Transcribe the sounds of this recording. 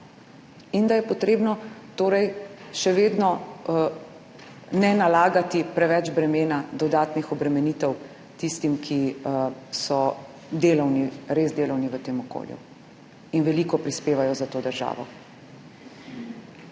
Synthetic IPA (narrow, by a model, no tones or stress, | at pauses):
ind̪ajɛpɔt̪ɾeːbnɔt̪oːɾɛjʃɛʋeːd̪nɔ | nɛnalaːɡat̪ipɾɛʋɛd͡ʒbɾɛmeːnad̪ɔd̪aːt̪nixɔbɾɛmɛniːt̪ɛw | t̪ist̪imkʰi | sɔ | d̪eːlɔwniɾezd̪eːlɔwniʋət̪eːmɔko̰ljṵ | inʋɛlikɔpɾispeːʋajɔzat̪oːd̪əɾʒa̰ːʋɔ̰